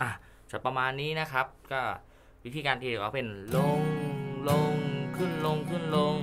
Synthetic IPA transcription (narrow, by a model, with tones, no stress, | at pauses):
ʔa˨˧˩ | t̪a˨˩pa˧maː˧nːiː˦˥na˦˥kʰa˦˥p̚kɔː˥˩ | wi˦˥t̪ʰiː˧kaː˧nt̪iː˧˩e˨˩kʰaː˦˥˩pe˧nlo˧ŋlo˧ŋkʰɯ˥˩nlo˧ŋkʰɯ˥˩nlo˧ŋ